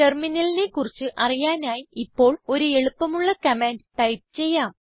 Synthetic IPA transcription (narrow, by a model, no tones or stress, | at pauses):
ʈe̞rminɐlinekurit͡ɕːɨʔɐrijaːnaːjiipːo̞ːɭo̞ɾue̞ɭupːɐmuɭːɐkɐmeːnɖʈɐjp̚t͡ɕe̞jːaːm